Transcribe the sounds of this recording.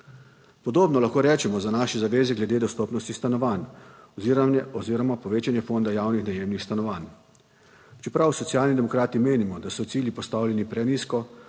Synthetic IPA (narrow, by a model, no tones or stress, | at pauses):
pɔd̪oːbnɔlaxkoːɾɛːt͡ʃɛmɔzanaʃɛzaʋeːzɛɡlɛd̪eːd̪ɔst̪ɔːpnɔst̪ist̪anɔʋan | ɔziɾɔmapɔʋeːt͡ʃanjɛfond̪ajaːwnixnajeːmnixst̪anɔʋan | t͡ʃɛpɾawsɔt̪ijaːlnid̪ɛmɔkɾaːt̪imeːnimɔd̪asɔt̪iːljipɔst̪awlʲjɛnipɾɛniskɔ